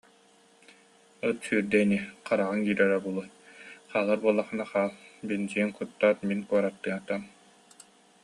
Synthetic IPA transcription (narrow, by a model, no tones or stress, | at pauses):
ɯt̪syːɾd̪ɛːniqaɾaʁɯŋɡiːɾɛɾɛbulˠuj | q͡χaːlˠaɾbuɔlˠaχɯnaχaːlˠbind͡ʑiɛŋqut̪ːaːt̪minkuɔɾat̪ːɯat̪am